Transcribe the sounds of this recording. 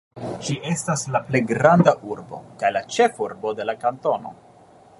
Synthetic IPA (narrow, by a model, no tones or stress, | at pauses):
ʃiʔe̞staslaple̞jɡɾandaʔuɾbo̞̰kajlat͡ʃe̞fuɾbo̞de̞lakanto̞no̞̰